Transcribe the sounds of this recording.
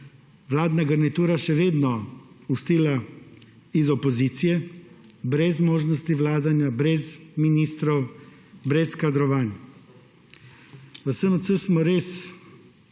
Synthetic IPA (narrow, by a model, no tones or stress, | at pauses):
ʋlaːd̪naɡəɾnit̪uːɾaʃɛʋeːd̪nɔ | ust̪iːla | izɔpɔziːt̪sijɛ | bɾɛzmoːʒnɔst̪iʋlaːd̪anjabɾɛzminiːst̪ɾɔw | bɾɛskad̪ɾɔʋaːn | ʋəsəmt̪səsmɔɾeːs